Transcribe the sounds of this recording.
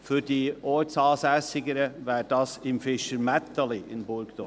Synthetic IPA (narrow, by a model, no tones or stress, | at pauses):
fyɾdiːʔɔsɑːsɛsɪɡəɾəʋæːɾd̥ɑsɪmfɪʃəɾmɛt̪əliʔɪnbʊɾɡd̪̥o